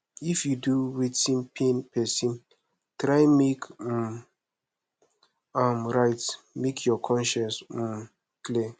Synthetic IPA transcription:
ifjuduwitĩnpʰĩnpʰɛsĩn | tɾajmek̩ | amɾajt | mekʰjɔkʰɔ̃nʃɛ̃ns̩ | kli

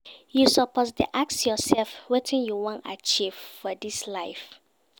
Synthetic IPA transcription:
jusɔpʰɔsdeʔak̚sjɔsɛlfwetʰĩnjuwɔ̃na̰t͡ʃiv̥fɔdislaɪf

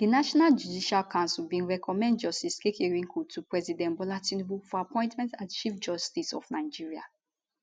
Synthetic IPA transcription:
d̥inaʃɔnald͡ʒudiʃalkʰãnsulbĩnɹɛkʰɔmɛ̃ndd͡ʒɔstiskekeɹĩŋkʰutupɹɛzidɛ̃nbɔlatĩnbufɔapʰɔ̃j̃ntmɛ̃ntatt͡ʃifd͡ʒɔstisɔ̰fnaɪd͡ʒiɹia̰

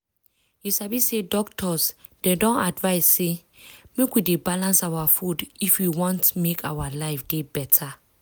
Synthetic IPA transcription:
jusabisedɔk̚tʰɔs | d̥ɛdɔ̃nadvaɪsːe | mekwidebalãnsawafudifwiwɔ̃ntmekʰawalaɪfdebɛtʰa

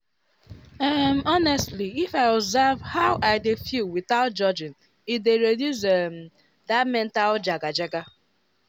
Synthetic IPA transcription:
ɛmɔnɛstliifaɪɔbzɛvhaʊʔaɪdefjuwiθaʊt̚d͡ʒɔd͡ʒɪ̃n | it̚deɾedjusɛm | damɛ̃ntald͡ʒaɡad͡ʒɛɡa

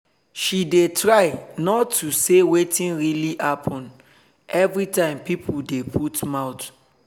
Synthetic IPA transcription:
ʃidetɹaɪnɔtːusewetĩnɹiliʔapʰɔ̃n | ɛvɹitãɪ̃mpipʰudepʰutmaʊt

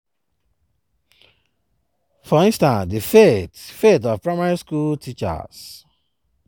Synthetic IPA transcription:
fɔĩnstãnsdifetfetɔvpɹamaɹiskultit͡ʃa̰z̥

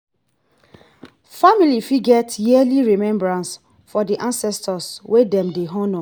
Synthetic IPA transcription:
familifiɡɛtjiɛliɹimɛ̃mbɹãns | fɔdiʔãnsɛstʰɔswedɛ̃mdeɦɔ̃nɔ

